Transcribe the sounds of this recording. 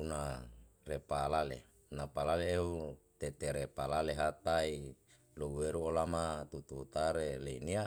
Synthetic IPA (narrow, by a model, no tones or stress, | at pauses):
unarepalalḛ | napalaleːut̪et̪eɾepalaleɦat̪ai | louweɾuolamat̪ut̪ut̪aɾeleinia